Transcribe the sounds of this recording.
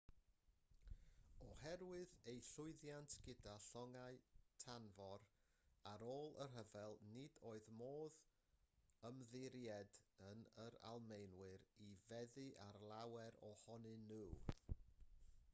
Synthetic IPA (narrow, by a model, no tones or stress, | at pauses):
ɔhɛɾwɨðejɬʊɨðjantʰɡ̥ɪdaɬɔŋaɨtʰanvɔɾ | aɾoːlˠər̥ɦəvɛlˠnɪdoːɨðmoːð | əmðɪɾjɛdənəɾa̰lˠmejnwɨɾivɛðɨʔarlˠawɛɾɔhɔnɨnuː